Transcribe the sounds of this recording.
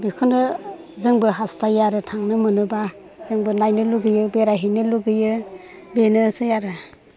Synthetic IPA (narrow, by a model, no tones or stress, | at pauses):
bikʰunɯ | zɯŋbɯɦastajaɾɯtʰaŋnɯmɯnɯba | z̥ɯŋbɯnajnɯluɡɯjɯbeɾaɦinɯluɡɯjɯ | benɯsɯjaɾɯ